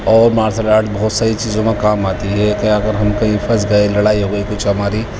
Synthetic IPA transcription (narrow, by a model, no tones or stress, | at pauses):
ɔːɾmaːɾsʰəlaːʈbɔːt̪saːɾit͡ʃiːzõmãkaːmaːt̪iɦɛkɐãɐɡəɾɦɐmkɐɦĩfɐsɡɐelɐɽaːiɦoɡikʊt͡ʃʰɦɐmaːɾi